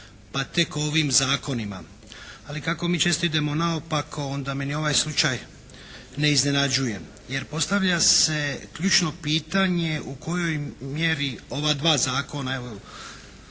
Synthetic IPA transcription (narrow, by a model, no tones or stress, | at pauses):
pat̪e̞kooʋimzaːko̞nima̰ | alikako̞miːt͡ʃe̞st̪id̪e̞mo̞naopakʰo̞ond̪ame̞nio̞ʋajslˠut͡ʃaj | ne̞izne̞nad͡ʒuje | je̞ɾpo̞st̪aʋʎase̞kʎuːt͡ʃno̞piːt̪aɲe̞uko̞jo̞jmjeɾio̞ʋad̪ʋaːzaːko̞naeʋo